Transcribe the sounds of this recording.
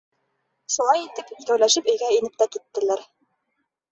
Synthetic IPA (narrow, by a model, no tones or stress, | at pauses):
ʃulˠɑjit̪ɘp̪kæwlæʃɘpɵ̆jɡæinɘp̚t̪æt̪it̪ːɘ̆læɾ